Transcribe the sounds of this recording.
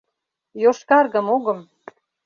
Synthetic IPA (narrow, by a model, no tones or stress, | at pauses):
joʃkɑrɣə̆moɣɤ̆m